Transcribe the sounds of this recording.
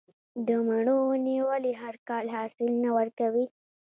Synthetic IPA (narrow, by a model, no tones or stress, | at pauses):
d̪əmaɳ̃oniwəliɦaɾkɑlhɑːsɪlnawəɾkawi